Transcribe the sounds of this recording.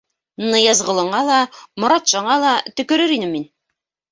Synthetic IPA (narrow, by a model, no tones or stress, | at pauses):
nɤjɑzʁɤ̆lˠɤ̆ɴɑlˠɑmŏɾɑt̪ʃɑɴɑlˠɑt̪ɵ̆kɵ̆ɾɘɾinɘmːin